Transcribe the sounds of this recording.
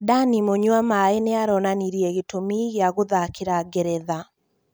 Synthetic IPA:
danimoɲwamaeneaɾɔnaniɾiɛɣetomiɣeaɣoðakeɾaɡɛɾɛða

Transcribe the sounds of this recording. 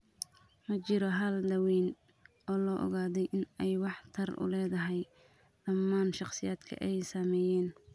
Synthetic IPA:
mɐt͡ʃɪɾɔɦɐldɐwiːn | ɔːlɔːʔɔ̰ɣaːðɛjʔɪnɛjwɑħt̪ʰɐrʔʊ̰lɛːðɐɦɛj | d̪̥ɐmːaːnʃɑqsɪjaːd̪kʰɐ̰ʔɛjsɐmɛːjɛːn

